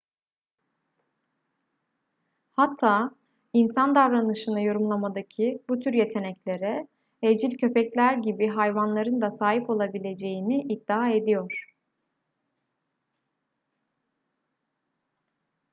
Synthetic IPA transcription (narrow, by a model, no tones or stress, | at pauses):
hat̪ʰːaː | insand̪avɾanɯʃɯnɯjo̞ɾumlˠamad̪acʰibut̪ʰyɾje̞t̪ʰe̞nɛclʲe̞ɾɛ | ed͡ʒilʲcʰø̞pɛclʲæɾɟibiɦajvanlˠaɾɯnd̪asaːɦipo̞lˠabilʲe̞d͡ʒe̞jiniʔid̪ːaae̞d̪ijoɾ̥